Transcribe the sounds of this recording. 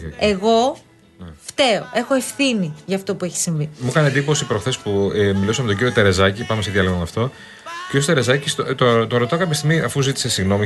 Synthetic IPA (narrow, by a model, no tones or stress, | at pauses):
eɣo̞ | ft̪e̞oʔe̞xo̞efθiniʝɐːft̪o̞pue̞çi̥siɱvimukɐnend̪ipo̞sipɾo̞xθe̞spumilusɐmet̪oɟiɾio̞t̪eɾe̞zɐcipɐmeseðʝɐloɣomɐft̪o̞ | ciɾjost̪eɾezɐcist̪ot̪ot̪oɾo̞t̪ɐkɐpjɐst̪iɣmiɐfuzit̪i̥se̞siɣno̞mi